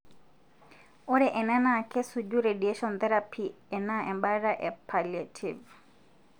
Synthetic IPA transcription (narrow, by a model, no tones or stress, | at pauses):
ɔɾɛʔɛnanakɛsud͡ʒuɾedieʃɔnt̪ɛɾapʰi | ɛnaɛmbaɾaʔɛpʰaljatʰiv